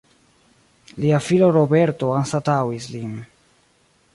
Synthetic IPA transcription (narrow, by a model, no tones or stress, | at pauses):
liafiloɾobeɾto̞ansatawislin